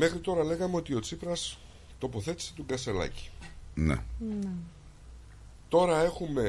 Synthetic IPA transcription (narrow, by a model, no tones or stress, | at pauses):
me̞xɾit̪o̞ɾɐle̞ɣɐmeo̞t̪io̞t͡sipɾɐs | t̪o̞po̞θe̞t̪i̥se̞̥t̪uɡɐse̞lɐ̰ci̥nḛn | t̪o̞ɾɐe̞xume̞